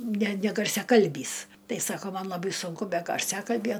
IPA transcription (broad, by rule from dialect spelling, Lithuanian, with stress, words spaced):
nʲɛ nʲɛɡɐrʲsʲɛˈkɐlʲbʲiːs ˈtɐɪ ˈsɑːkoː ˈmɐn lˠɐˈbɐɪ sʊŋˈkʊ ˈbʲɛ ɡɐrʲˈsʲæːkɐlʲbʲjɛ